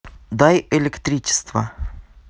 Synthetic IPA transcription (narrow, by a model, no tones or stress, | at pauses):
d̪ajɪlʲɪkt̪ɾʲit͡ɕɪ̥st̪və̰